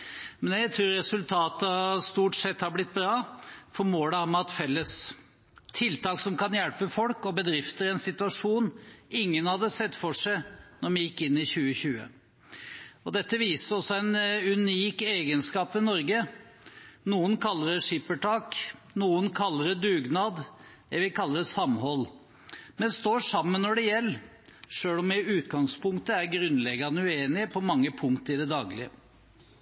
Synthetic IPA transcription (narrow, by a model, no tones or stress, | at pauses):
mɛnjæɪt̪ʰɾuːɾɾɛsʉlt̪ʰɑːt̪əst̪uːʈsɛt̪ːhɑɾblɪt̪̚ːbɾɑːfɔɾmoːləæːɾmɛɑt̪fɛlːəs | t̪ʰɪlt̪ɑːksɔmkɑnjælpəfɔlkɔbəd̪ɾɪft̪əɾɛnsɪt̪ʉɑʂuːnɪŋːənhɑd̪ːəsɛt̪ːfɔʂæɪnɔɾmɛjɪkːɪnːɪçʉːəçʉːə̰ | ɔd̪ɛt̪ːəʋiːsəɾɔsːɔæɪnʉniːkeːɡənskɑːpʋɛnɔɾɡə | nuːənkʰɑlːəɾəʂɪpːəʈʰɑːk | nuːənkʰɑlːəɾəd̪ʉːɡnɑːd̪ | ɛʋɪkʰɑlːəɾəsɑmhɔlː | mɛnst̪oːʂɑmːənːɔɖɛjɛlː | ʂøːlɔmɛʉːt̪ɡɑŋspʰʊŋkt̪əæɾɡɾʉnlɛɡɑnəʉeːnɪəpʰɔmɑŋːəpʰʊŋk̚t̪əɪd̪ɛd̪ɑːɡlɪə